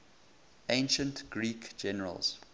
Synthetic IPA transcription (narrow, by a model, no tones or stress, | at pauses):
ẽɪ̃nʃə̃ntɡ̥ɹiːkd͡ʒɛnəɹə̰lˠz̥